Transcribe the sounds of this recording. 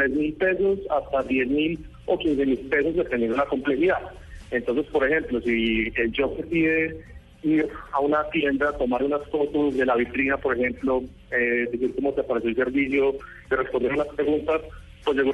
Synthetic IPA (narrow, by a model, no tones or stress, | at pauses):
t̪ɾezmilpe̞so̞sast̪aðje̞zmil | okins̬e̞milpe̞so̞zd̪epend̪jend̪olako̞mple̞siðað | e̞nt̪o̞nse̞spo̞ɾehe̞mplo̞sield͡ʒo̞kesiðe | iɾaunat̪je̞nd̪at̪o̞maɾunaskot̪uzd̪e̞laβit̪ɾinapo̞ɾexe̞mplo̞ | ed̪isiɾkomoseapaɾe̞s̬joelse̞ɾbis̬jo̞ | ire̞spond̪eunaspɾe̞ɣunt̪as | pwezeɣu